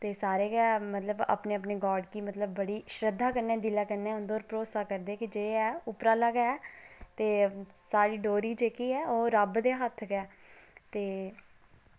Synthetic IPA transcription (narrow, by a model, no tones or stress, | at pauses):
t̪eːsaːɾeːkɛːmət̪ləbə̰pneːəpneːɡɔːɾɖkiːmət̪ləbːəɽiːʃɾəd̪ʱːaːkəɾneːd̪ɪlaːkəɾneɛːɦʊ̃nd̪ɔːɾpɾoːsaːkəɾd̪eːkɪd͡ʒeːɛːʊpɾaːləːɡːɛːt̪eːsaːɾiːɖoːɾiːd͡ʒeːkiːɛːoːɾəbd̪eːɦət̪ʰkɛː | t̪eː